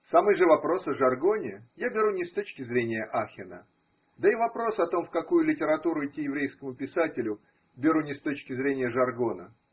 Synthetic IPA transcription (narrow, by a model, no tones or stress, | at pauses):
samɨjʐɨvɐpɾo̞sɐʐɐrɡo̞nʲɪjabʲɪɾunʲɪst̪ot͡ɕkʲɪzɾʲenʲɪjəʔaxʲɪnə̰ | d̪əivɐpɾo̞sɐt̪o̞mfkɐkujʊlʲɪtʲɪɾɐt̪uɾʊɪtʲːijɪvɾʲejskəmʊpʲɪsatʲɪlʲʊ | bʲɪɾunʲɪst̪o̞t͡ɕkʲɪzɾʲenʲɪjəʐɐrɡo̞nə̰